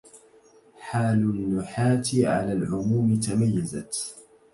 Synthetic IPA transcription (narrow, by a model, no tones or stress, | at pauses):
ħaːlʊnːʊħaːt̪ɪʕa̰laːlʕʊmuːmɪt̪amajːaza